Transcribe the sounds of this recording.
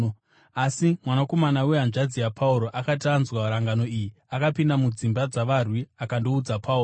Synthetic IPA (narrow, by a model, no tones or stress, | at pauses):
asimwanako̞manaweɦanʐad͡zijapʰauɾo̞ʔakatanzwaɾaŋɡano̞iji | akapindamud͡zimbad͡zaʋarwiakando̞ud͡zapʰauːro